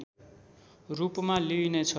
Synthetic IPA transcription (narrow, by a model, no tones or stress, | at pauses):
rupmalinet͡sʰʌ